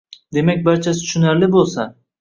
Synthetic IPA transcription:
d̪e̞mak̚ʲbaɾt͡ʃʰasɪt̪ʰːʃʊnaɾlɪbolˠsa

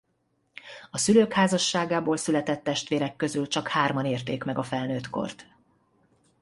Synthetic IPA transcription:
ɒsyløːkhaːzɒʃːaːɡaːboːlsylɛt̪ɛt̪ːɛʃt̪ʋeːɾɛkːø̞zylt͡ʃɒkhaːrmɒneːrt̪eːkmɛɡɒfɛlnøːt̪ko̞̰rt̪

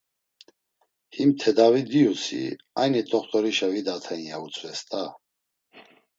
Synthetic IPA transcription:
himt̪ʰɛd̪avid̪iusḭ | ajnit̪ʼɔχt̪ʼɔɾiʃavid̪at̪ʰɛinjaut͡sʼvɛst̪ʼa

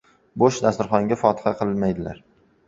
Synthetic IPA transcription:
boʃd̪asɪɾχɒŋɡʲafɒt̪ʰɨ̥χɑqʰɨlˠmajd̪ɪla̰ɾ

